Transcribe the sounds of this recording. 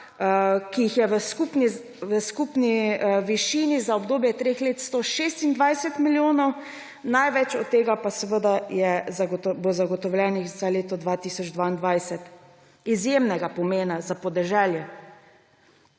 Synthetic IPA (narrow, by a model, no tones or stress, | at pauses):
kijixjɛʋəskupni | ʋəskupniʋiʃiːnizaɔbd̪oːbjɛt̪ɾeːxleːt̪st̪oʃest̪ind̪ʋajsɛt̪miljoːnɔw | najʋɛt͡ʃɔt̪t̪ːeːɡapasɛʋəd̪ajɛzaɡbozaɡɔt̪ɔwlʲɛnixzaleːt̪ɔd̪ʋaːt̪isɔd͡ʒd̪ʋaːind̪ʋajsɛt̪ | izjemnɛɡapɔmeːnazapɔd̪ɛʒɛljɛ